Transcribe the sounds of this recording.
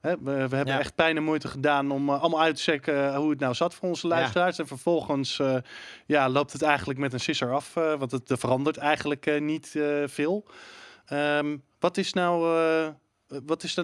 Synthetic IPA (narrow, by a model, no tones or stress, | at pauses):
ɦɛəʋəɦɛbənɛχt̚pɛjnəmujtəχədaːnɔmɑlˠmalˠœɥtə̥sɛkəɦuətnawzɑtfʊːɹɔnzəlœɥstəraːɹsɛnfəɹv̥ɔlˠχəns | jalowp̚tɦətɛjχənələkmɛtənsɪsəɹɑfʋɑntətəfərɑndəɹtɛjχənləknitv̥ɪːlˠ | əmʋɑtɪsnaw | ʋɑtɪs